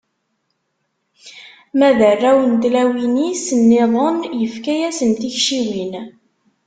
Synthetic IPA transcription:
mæðərːæwənt̪læwinisənːɪðˤənjəfkæjæsənt̪içʃiwin

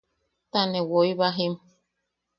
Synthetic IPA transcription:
t̪anẽwojβaɦim

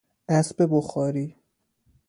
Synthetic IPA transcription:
ʔæsbeboxɒːɾiː

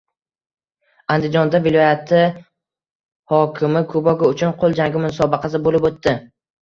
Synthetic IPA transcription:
and̪ɪd͡ʒɒnd̪avɪlˠɒjat̪ʰɪ | hɒkʲʰɪmɪkʰʊbɒɡʲaʊt͡ʃʰʊnqʰolˠd͡ʒaŋɡʲɪmʊnsɒbɑqʰɑs̬ɪbolɪpot̪ːɪ

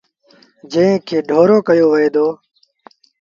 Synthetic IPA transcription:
d͡ʒə̃kʰeːɖʱoːɾoːkəjoːʋəɦeːd̪oː

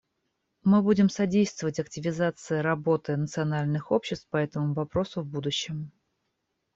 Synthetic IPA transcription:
mɨbudʲɪmsɐdʲejst̪vəvətʲɐk̚tʲɪvʲɪzat̪sɨɪɾɐbo̞t̪ɨnət̪sɨɐnalʲnɨxo̞pɕːɪst̪fpɐɛt̪əmʊvɐpɾo̞sʊvbud̪ʊɕːɪm

